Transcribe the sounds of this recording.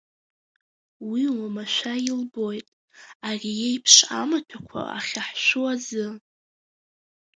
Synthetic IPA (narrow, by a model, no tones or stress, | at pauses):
wiwamaʃʷajɪlbo̞jtʼ | arijejpʰʂa̰matʷʰakʷʰa̰a̰χʲaħʃʷuazɨ